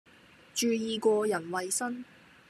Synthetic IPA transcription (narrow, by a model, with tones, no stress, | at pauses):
t͡ʃyː˨˧jiː˨˧kɔː˧jɐ˨˩nwɐ˨jsɐ˥n